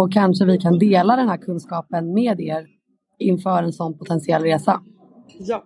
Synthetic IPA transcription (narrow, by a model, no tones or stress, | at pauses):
ɔkʰːanʂəvɪkʰand̪eːlad̪ɛnhæːɾkʰɵnskɑːpənmeːd̪eːɾ | ɪnfœːɾɛnsɔnːpʰʊt̪ʰɛnsɪɛlːɾeːsa